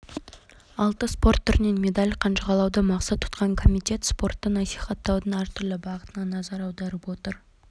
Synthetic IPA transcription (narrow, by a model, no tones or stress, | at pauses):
ɑlˠt̪əspo̞rt̪ʰːʏɾne̞nme̞d̪alʲqʰɑnʃəʁɑlˠɑwd̪əmɑqsɑt̪ʰːʊ̥t̪qɑŋkʰo̞mijt̪ʲe̞t̪spo̞rt̪ːənɑsijχɑt̪ːɑwd̪ənɑɾt̪ʰʏɾlˠɪbɑʁət̪ənɑnɑzɑɾɑwd̪ɑɾəpwo̞t̪əɾ